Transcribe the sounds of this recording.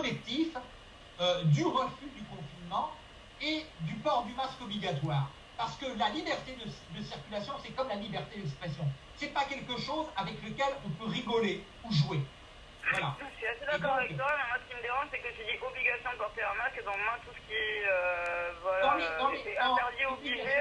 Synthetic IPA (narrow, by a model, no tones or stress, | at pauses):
ɔlɛk̚t̪if | ød̪yʁəfyd̪ykɔ̃finmɑ̃ | ed̪ypɔʁd̪ymaskɔbliɡat̪waːʁ | paʁsə̥kəlalibɛʁt̪ed̪əd̪əsiʁkʲylasjɔ̃sɛkɔmlalibɛʁt̪ed̪ɛkspχɛsjɔ̃ | sɛpakʲɛlkəʃozavɛkləkʲɛlɔ̃pøʁiɡɔle | uʒuwe | wala̰ʃiased̪adɔʁɔʁ̃akvɛkt̪wamɛ̃mwasə̥kʲiməd̪eʁɑ̃sɛkət̪yd̪iʔɔbliɡʲasjɔ̃d̪əpɔʁt̪eɛ̃maskd̪ɑ̃mwɛ̃t̪usə̥kʲiɛøvwald̪ɑ̃led̪ɑ̃leɛ̃ɛʁd̪io